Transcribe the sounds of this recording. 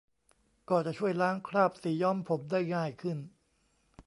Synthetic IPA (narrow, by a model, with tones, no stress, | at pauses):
kɔː˧˩t͡ɕa˨˩t͡ɕʰu˥˩əjlaː˦˥ŋkʰɾaː˥˩p̚siː˨˩˦jɔː˥˩mpʰo˩˦mdaː˥˩jŋaː˥˩jkʰɯ˥˩n